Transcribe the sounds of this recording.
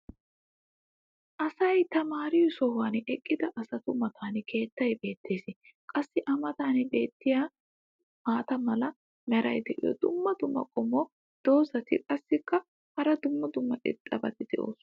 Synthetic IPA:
ʔɐsɐjt̪ɐmaːɾɪjʊsɔhʊwanɛkʼːɪd̪ɐʔɐsɐt̪ʊmɐt̪ʰaːnkʰe̞ːt̪ːɐjbe̞ːt̪ːe̞ːsɪ | kʼɐsːɪʔɐmɐt̪aːnɪbe̞ːt̪ːɪjaː | maːt̪ɐmɐlɐ | mɛɾɐ̰jd̪ɛʔɪ̰jɔ̰d̪ʊmːɐd̪ʊmːɐ̰kʼɔmɔ | d̪̥o̞ːsɐt̪ɪ̰kʼɐsːɪkːɐ | hɐɾɐd̪ʊmːɐd̪ʊmːɐʔɛ̰t̪ʼːɐbɐt̪ɪd̪̥ɛ̰ʔo̰ːs

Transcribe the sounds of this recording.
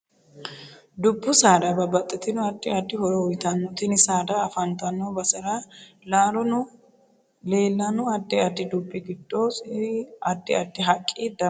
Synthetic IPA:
d̪ʊbːʊsaːd̪ɐbɐbɐt̪ʼːɪt̪ɪnʊɐd̪ːɪɐd̪ːɪhɔɾɔwɔjt̪ɐnːɔt̪ɪnɪsaːd̪ɐːfɐnt̪ɐnːobɐsɐɾɐ | laːɾɔnʊ | leːlːɐnʊɐd̪ːɪɐd̪ːɪd̪ʊbːɪɡɪd̪̥ːosɐd̪ːɪ̰ɐd̪ːɪɦɐkʼːid̪ɐ

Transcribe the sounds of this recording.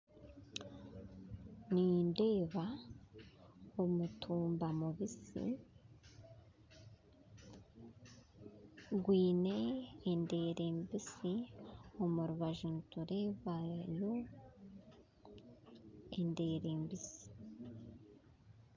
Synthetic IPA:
ninde̞ːβa | omutʰuːmbamuβisḭ | ɡwiːne̞ːnde̞ːɾe̞mbisio̞muɾuβaʒuntuɾe̞ːβajo | ende̞ːɾeːmbisi̥

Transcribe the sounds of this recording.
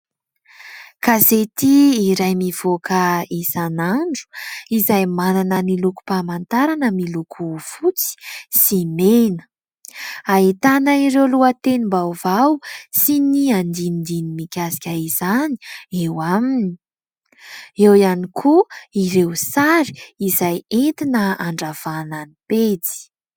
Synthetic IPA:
kazet̪iːɾajmiv̥okəisanaɳɖ͡ʐu̥izajmananəniluku̥pamant̪aɾanəmilukʰufut͡si̥simenə̥ | aɦit̪anəiɾewluət̪enimbawvawsiniand̪inind̪inimikʲasi̥kʲaizani̥ewamini | ewianikʰuiɾewsaɾi̥izajent̪inəaɳɖ͡ʐav̥ananipet͡si̥

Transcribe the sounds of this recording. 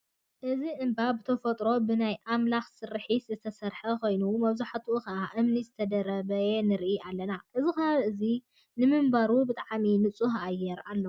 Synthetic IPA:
ʔɨziʔɨmbabɨt̪ʰɐfɐt̪ʼɾo̞bɨnajʔamlaxsɨɾħiszɨt̪ʰɐsɐɾħɐkojnumɐβzaħat̪ʰuʔɨkɐʔaʔɨmnizɨt̪ʰɐd̪ɐɾɐβɐenɨɾʔiʔalːɐnaʔɨzikɐaβʔɨzi | nɨmɨmbaɾubɨt̪ʼaʕminɨt͡sʼuhajɛɾalːo

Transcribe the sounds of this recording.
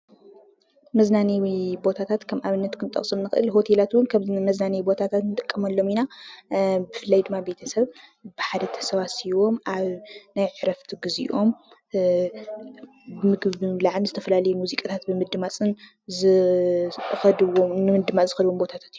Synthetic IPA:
mɐznaniwibo̞t̪ʰat̪ʰat̪kʰɐmʔaβɨnːɐt̪kʰɨnt̪ʼɐ̰χʼsʼɨmnɨxɨʔɨ̰lɦo̞t̪ʰelat̪wʊnkʰamɐznanibo̞t̪ʰat̪ʰat̪nɨt̪ʼɨkʼːɐmɐlːo̞mina | bɨfɨlːajd̪ɨmːabe̞t̪ʰɐsɐβbɨħad̪ɐt̪ʰɐ̥sɐβat̪siwo̞mʔaβnajʕɨɾɐft̪ʰiɡɨziʔo̞m | bɨmɨɡɨlaʕlzɨt̪ʰɐfɐlalɐjumuzikʼat̪ʰat̪bɨmɨd̪ɨmat͡sʼɨn | zɨ | xɐd̪wonɨmɨd̪ɨmat͡sʼzɨxɐd̪wombo̞t̪ʰat̪ʰḁt̪iju

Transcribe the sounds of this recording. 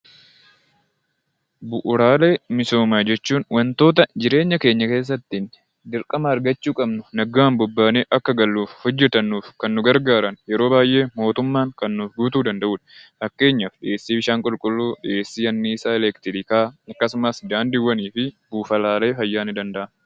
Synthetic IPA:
bʊʔʊɾaːle̞ːmɪso̞ːmaːd͡ʒɛt͡ʃːuːnwɐnt̪o̞ːt̪ɐd͡ʒɪɾe̞ːɲːɐke̞ːɲːɐke̞ːs̬ːɐt̪ːiːn | d̪ɪɾkʼɐmɐːɾɡɐt͡ʃːuːkʼɐbnʊnɐɡaːmbʊbːaːneːʔɐkːɐɡɐlːuːfhɔd͡ʒːɛt̪ɐnːuːfkɐnːʊɡɐɾɡaːɾɐnjɛɾo̞ːbaːjʔe̞ːmo̞ːt̪ʊmːaːŋkɐnːuːfɡuːt̪uːd̪ɐnd̪ɐʔuːᶑɐ̥hɐkːe̞ːɲːɐfᶑɪʔeːsːiːbɪʃaːŋkʼʊlkʼʊlːuːᶑɪʔe̞ːsːiːɐnːiːsaːɛlɛkt̪ɪɾɪkaːɐkːɐsʊmɐsd̪aːnd̪ɪwːɐniːfɪbuːfɐlaːleːfɐjːaːnɪd̪ɐnd̪ɐʔɐn

